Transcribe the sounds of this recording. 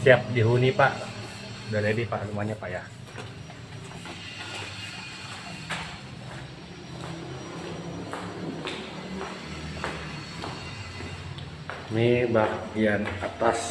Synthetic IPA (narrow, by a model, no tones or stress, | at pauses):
siap̚diɦunipaʔ | daladipaʔlumaɲapaʔja | mibaɡianat̪as